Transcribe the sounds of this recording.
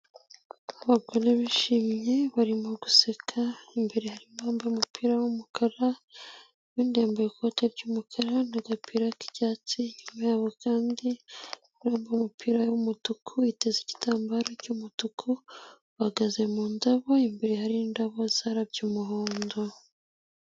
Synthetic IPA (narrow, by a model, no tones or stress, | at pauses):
aβaɡo̞ɾe̞βiʃimɲe̞βaɾimo̞ɡusekʰaimbeɾehaɾimaːmbaumupiːɾawumukʰaɾa | wiːndeːmboɾikʰoteɾɟumukʰaɾanaɡapʰiɾaki̥caːt͡siɲumajaːβo̞kaːndi | uɾoːmbaumupʰiɾawumutukʰuiteziɟi̥taːmbaɾocumutukʰu | βaɡaze̞muːndaβo̞imbeɾehaɾindaβo̞z̥aɾaɾɟumuɦoːndo